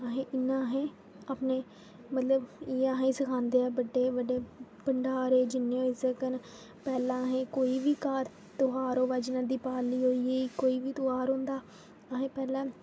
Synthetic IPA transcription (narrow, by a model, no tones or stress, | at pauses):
əɦẽːʔɪnːãːɦẽː | apneː | mət̪ləbiːãɦiːsəkʰãːnd̪eːɛːbəɖeːbəɖeːpəɳɖaːɾeːd͡ʒɪnːeːõːɪzəkən | pɛːlãːɦẽːkoːiːʋiːkaːɾ | t̪oaːɾõːʋəd͡ʒnãːd̪iːpaːliːɦoːiːeːiːkoːiːʋiːt̪oaːɾɦõːnd̪aː | əɦẽːpɛːlãː